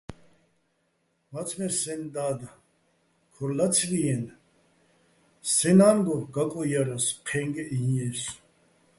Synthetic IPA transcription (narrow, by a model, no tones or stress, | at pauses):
mat͡sʰmɛsɛnd̪aːd̪a | kʰɔɾlat͡sʰɾijɛn | sɛnanɡ̪ɔɡakʼɔjaɾaspʰɛŋɡɛʔiɛs